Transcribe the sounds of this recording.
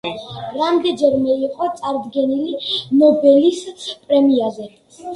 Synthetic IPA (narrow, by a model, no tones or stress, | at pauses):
ɾamd̪ɛd͡ʒɛɾmɛiqʼɔt̪sʼaɾd̪ɡɛnilinɔbɛlispʼɾɛmiazɛ